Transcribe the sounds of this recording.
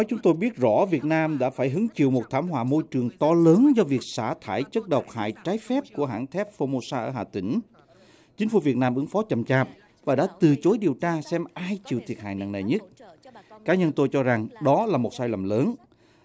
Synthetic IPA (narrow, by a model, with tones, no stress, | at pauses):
nɔ˨˦jt͡ɕʊ˨˦ŋ͡mt̪o˧jɓi˦˥ət̚zɔ̰˧˥vi˨˩ət̚naː˧mɗa̰ː˧˥faː˧˩jɦɨ˨˦əŋt͡ɕḭ˨˧˨əwmo˨˩t̚t̪ʰaː˧˩mɦwa̰ː˧˨mo˧jt͡ɕɨ˨˩əŋt̪ɔ˧ləː˨˦nzɔ˧vi˨˩ək̚saː˧˩t̪ʰaː˧˩jt͡ɕə˦˥t̚ɗə˨˩wk͡p̚ha̰ː˧˨jt͡ɕaː˨˦jfɛ˦˥p̚ku˧˩əɦa̰ː˧˩ŋt̪ʰɛ˦˥p̚fo˧mo˧saː˧ʔəː˧˩ɦaː˨˩t̪ï˧˩ŋ̟ | t͡ɕï˨˦ŋ̟fṵ˧˩vi˨˩ət̚naː˧mʔɨ˨˦ŋfɔ˨˦t͡ɕə˨˩mt͡ɕaː˨˩p̚ | vaː˨˩ɗa̰ː˧˥t̪ɨ˨˩t͡ɕo˨˦jɗi˨˩əwt͡ɕaː˧sɛ˧mʔaː˧jt͡ɕḭ˨˧˨əwt̪ʰi˨˩ət̚ha̰ː˧˨jna̰ː˧˨ŋna˨˩jɲə˦˥t̚kaː˨˦˥ɲə˧nt̪o˧jt͡ɕɔ˧za˨˩ŋɗɔ˨˦laː˨˩mo˨˩t̚saː˧jlə˨˩mləː˨˦n